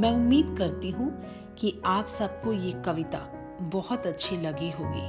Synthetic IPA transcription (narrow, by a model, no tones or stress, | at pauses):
mɛ̃ːʊmːiːd̪kɐɾt̪iɦũ | kiaːpsɐb̚kojekɐʋɪt̪a̰ | bɔhʊt̪ɐtːʃʰelɐɡeɦoːɡḛː